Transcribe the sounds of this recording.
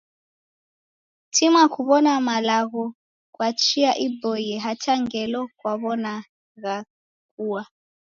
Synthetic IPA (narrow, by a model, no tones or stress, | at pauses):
tʰimwakuβɔnamalaɣɔ | kwat͡ʃiaʔibɔjɛɦataŋɡɛlɔkwaβɔna | ɣa | kuwa